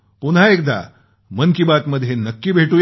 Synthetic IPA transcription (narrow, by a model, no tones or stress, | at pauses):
punɦaekd̪a̰ | mənkibat̪məd̪ʱːjenəkːiːbʱeʈuːj